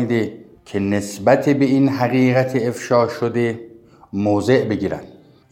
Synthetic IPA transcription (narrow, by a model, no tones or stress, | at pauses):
id̪e | cʲʰene̞sbæt̪ʰebe̞inɦæɣiːɣæt̪ʰeːfʃɒːʃod̪e | moːze̞ʔbe̞ɡiːɾæ̰nd̪̥